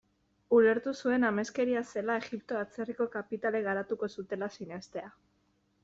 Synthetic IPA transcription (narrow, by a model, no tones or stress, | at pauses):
ule̞ɾt̪usue̞name̞ske̞ɾiase̞lae̞ɣipt̪o̞at͡se̞riko̞kapit̪ale̞ɣaɾat̪uko̞sut̪e̞lasinest̪e̞a